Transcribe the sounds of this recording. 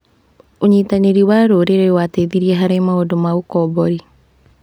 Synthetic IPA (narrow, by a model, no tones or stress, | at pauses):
oɲiːtaneɾiwaɾoɾeɾewateðiɾiɛɦaɾemaodomaokɔbɔɾi